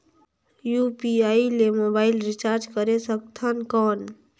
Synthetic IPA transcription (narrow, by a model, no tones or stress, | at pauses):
jupiailemobailɾit͡ʃaɾd͡ʒkəɾesək̚t̪ʰənkən